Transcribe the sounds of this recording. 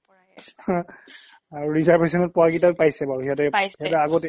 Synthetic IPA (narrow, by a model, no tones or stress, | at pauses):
aɹuɹizaɹbesɔnɔt̚pɔaɡitapajsɛbaɹuɦiatɛɛtɛaɡot